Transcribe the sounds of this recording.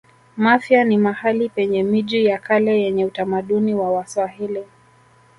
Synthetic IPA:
mafjanimahalipɛɲɛmiʄijakalɛjɛɲɛutamaɗuniwawaswahili

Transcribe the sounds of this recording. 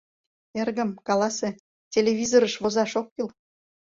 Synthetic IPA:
erɡə̆mkɑlˠɑse | tʲelʲeβʲizoɾə̆ʃβozɑʃokːil

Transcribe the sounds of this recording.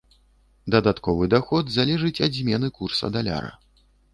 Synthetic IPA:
d̪ɐd̪at̪kɔvɨd̪axɔd̪zalʲɛʐɨt͡sʲazʲmʲɛnɨkursɐ̰d̪alʲa̰ɾɐ̰

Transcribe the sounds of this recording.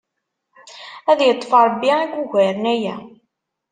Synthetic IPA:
æðjət̪ˤːfɑɾˤbːiækʷːuʝæɾənæjæ

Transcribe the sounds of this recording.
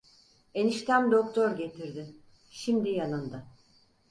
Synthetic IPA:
e̞niʃt̪ʰæmd̪o̞k̚t̪ʰoɾɟe̞t̪ʰiɾd̪ɪ | ʃimd̪ijanɯnd̪a

